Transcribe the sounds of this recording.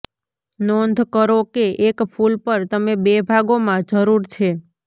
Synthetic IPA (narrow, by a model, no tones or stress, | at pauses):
nond̪ʱkəɾokeʔekpʰulpəɾt̪əmebebʱaɡomãd͡ʒəɾuɾt͡ʃʰe